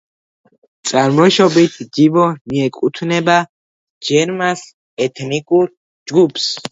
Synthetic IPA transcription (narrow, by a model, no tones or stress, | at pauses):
t̪sʼaɾmɔʃɔbit̪ʰd͡ʒibɔmiɛkʼut̪ʰnɛba | d͡ʒɛɾmas | ɛt̪ʰnikʼuɾ | d͡ʒɡupʰs